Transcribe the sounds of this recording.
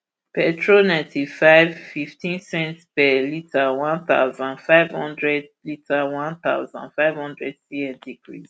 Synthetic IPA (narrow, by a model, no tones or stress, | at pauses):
pɛtʰɹonãɪ̃ntʰifaɪvfiftʰĩnsɛ̃ntpɛlitʰawãnθa̰ʊzãnfaɪvhɔ̃ndɹɛdlitʰawãnθa̰ʊzãnfaɪv̥hɔ̃ndɹɛdsiɛ̃ndikɹis